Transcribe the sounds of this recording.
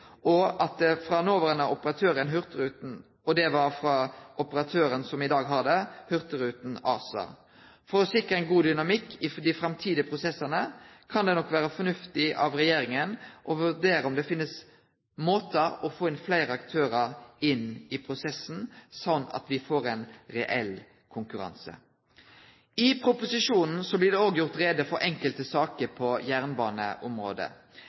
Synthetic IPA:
ɔʔɑt̪̚d̪ɛfɾɑnoːʋəɾənɑʊpəɾɑt̪ʰøːɾənɦʏʁt̪əɾʉːt̪n̩ | ɔd̪ɛʋɑɾfɾɑʊpəɾɑt̪ʰøːɾənsɔmɪd̪ɑːɡɦɑʁd̪ɛhʉɾt̪əɾʉːt̪n̩ɑ̰ːsɑ̰ː | fɔɾɔsɪkɾəæɪnɡuːd̪ʏnɑmɪkːɪd̪ɪfɾɑmt̪ʰiːd̪əpʰɾʊsɛsːənəkʰɑnd̪ɛnɔkːʋæːɾəfɔnʉft̪ɪʔɑ̰ʋɾɛjeːɾɪŋənʔɔʋʉɖ̪eːɾəɔmd̪ɛfɪnːəs | moːt̪əɾɔfoːɪnflæɪɾəɑkt̪ʰøːɾəɾɪnɪpʰɾʊsɛsn̩sɔnːɑ̰t̪ʋɪfoːɾɛnɾɛʔɛl | kʰʊŋkʉɾɑ̰nsə̰ | ɪpʰɾʊpʊsɪʂuːnn̩sɔblɪd̪ɛoːɡjʊʁt̪ɾeːd̪əfɔɾʔɛŋkəlt̪əsɑːkəɾpʰɔjæːʁnbɑːnə̰ʔʊmɾo̰ːd̪ə̰

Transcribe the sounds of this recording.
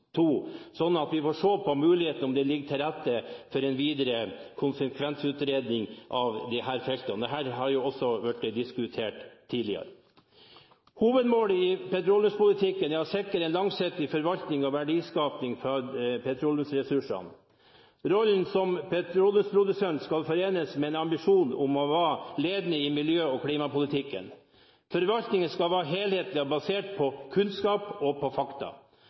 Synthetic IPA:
t̪ʰuːsɔnːɑt̪ʋɪfoːʂoːpʰɔmʉːlɪheːt̪nɔmd̪ɛlɪɡːət̪ʰɪlɾæt̪ːəfɔɾɛnʋiːd̪əɾəkʰʊnsəkʰʋɛnsʉːt̪ɾeːd̪nɪŋʔɑʋd̪ɛhæːɾfɛlt̪ɑnd̪ɛɦæːɾɦɑɾjʊɔsːɔʋæʈːd̪ɪskʉt̪ʰeːʈt̪ʰːiːd̪lɪɑ̰ɾə | huːʋəd̪moːlɪpɛt̪ɾuːlʉnspʊlɪt̪ʰɪkːənjɑsɛkːəɾɛnlɑŋsɪt̪ːɪfɔɾʋɑlt̪nɪŋɔʋæɖiːskɑːpnɪŋfɾɑpʰɛt̪ʰɾɔːljʊmsɾɛsʉʂɑ̰n | ɾɔlnsɔmpʰɛt̪ʰɾuːlʊspʰɾʊd̪ʉsɛnt̪skɑlfɔɾeːnəsmɛɛːnɑmbɪʂuːnʊmɔʋɑːleːd̪nəɪmɪljøːɔkʰliːmɑpʊlɪt̪ʰɪkːə̰n | fɔɾʋɑlt̪nɪŋənskɑlʋɑːɾɦeːlheːt̪lɪɑbɑseːʈpʰɔkʰʉnskɑːpɔpʰɔfɑkt̪ɑ̰

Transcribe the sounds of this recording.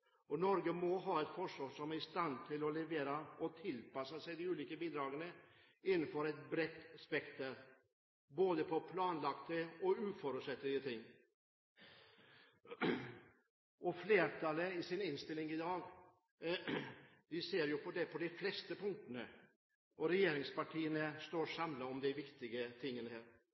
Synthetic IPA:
ɔnɔɾɡəmɔɦɑːɛt̪fɔʂɔsɔmæɾɪst̪ɑnt̪ʰɪlɔlɛʋeːɾɑɔt̪ʰɪlpɑsɑsɛɪd̪ɪʉːliːkəbiːd̪ɾɑːɡənə | ɪnːənfɔɾɛt̪̚bɾɛt̪ːspɛkt̪əɾ | boːd̪əpʰɔpʰlɑːnlɑkt̪əɔʉːfɔɾʉːt̪sɛt̪ːlɪɡət̪ʰɪŋː | ʔɔfleːɾʈʰɑləɪsɪnɪnst̪ɪlːɪŋɪd̪ɑːɡ | d̪ɪseːɾjʊpʰɔd̪ɛpʰɔd̪ɛɪflɛst̪əpʊŋt̪ənə | ʔɔɾɛjeːɾɪŋspɑʈʰiːənəst̪oːɾʂɑmləɔmd̪ɛʋɪkt̪ɪɡət̪ʰɪŋːənəheːɾ

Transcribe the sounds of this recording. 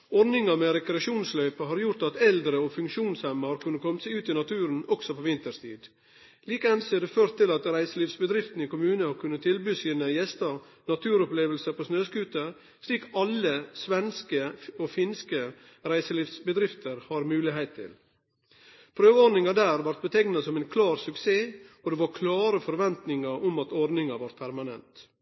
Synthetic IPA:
ɔɾnɪŋɑmɛɾɛkɾɛɑʃuːnslœʏpəɦɑɾjʊɾt̪ɑt̪ɛld̪ɾəɔfʉŋkʃuːnshɛmːəhɑɾkʰʉnːəkʰɔmt̪sɛʉːt̪ɪnɑt̪ʰʉːɾənɔksɔpʰoːʋɪnt̪əst̪ʰḭːd̪ | liːkɛnsɛd̪ɛføːɾt̪ʰːɪlɑt̪ɾæɪsəliːʋsbəd̪ɾɪft̪n̩ɪkʊmʉːnəhɑɾkʰʉnːət̪ʰɪlbyːsiːnəjɛst̪ɑ | nɑt̪ʰʉːɾɔpleːʋəlsəpʰosnøːskʉːt̪ə | sliːkɑlːəsʋɛnskəɔfɪnskə | ɾæɪsəliːʋsbəd̪ɾɪft̪ʰəɾhɑɾmʉːlɪɦhæɪt̪ʰːɪ̰l | pʰɾøːʋəɔɾdnɪŋɑd̪æːɾʋɑɾt̪̚bət̪ʰɛɡnɑsɔmæɪnkʰlɑːɾsʉkseːɔd̪ɛʋɑɾkʰlɑːɾəfɔɾʋɛnt̪nɪŋɑɾɔmɑt̪ɔɾd̪nɪŋɑʋɑɾt̪̚pʰæɾmɑnɛ̰nt̪

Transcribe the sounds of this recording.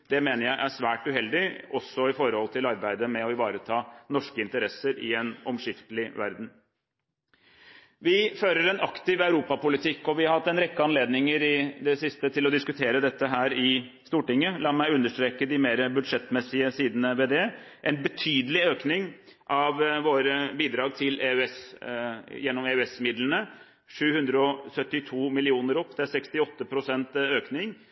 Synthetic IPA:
d̪̥ɛmeːnəɾjæɪʔæsʋæːʈʉhɛld̪ɪʔɔsːɔɪfɔɾəhɔlt̪ʰɪlɑɾbæɪd̪əmɛɔɪʋɑːɾət̪ʰɑːnɔʂkəɪnt̪əɾɛsːəɾɪɛnɔmʂɪft̪əlɪʋæ̰ɾd̪n̩ | ʋɪføːɾəɾɛnɑkt̪ɪʋɑʉɾuːpɑpʊlɪt̪ʰɪkːɔʋɪhɑɾhɑt̪ːɛnɾɛkːəɑnleːd̪nɪŋəɾɪd̪ɛsɪst̪ət̪ʰɪlɔd̪ɪskʉt̪ʰeːɾəd̪ɛt̪ːəɦæːɾɪ | st̪uːʈɪŋːəlɑːmæɪʉnːəʂʈ̪ɾeːkəd̪ɪmeːɾəbʉd̪ʂɛt̪mɛsɪəsiːd̪nəʋɛd̪ɛː | ʔɛnbət̪ʰyːd̪əlɪøːknɪŋʔɑʋʋoːɾəbiːd̪ɾɑːɡ̚t̪ʰɪleʉɛs | jɛnːɔmeʉɛsmɪd̪lənə | ʂʉːhʉnd̪ɾəɔsœt̪ːɪt̪ʰuːmɪlɪuːnəɾɔpːd̪ɛæɾsɛkst̪ɪɔt̪ːəpʰɾʊsɛnt̪øːknɪŋ

